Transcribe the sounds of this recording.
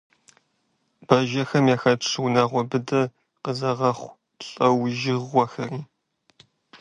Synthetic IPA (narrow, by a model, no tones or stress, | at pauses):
b̥ɐʒɐxɐmjaːxɐʈ͡ʂʰɨwnaːʁʷɔbɨdɐ | qəzɐʁɐχʷ | ɬʼɐwʒɪʁʷɐxɐriː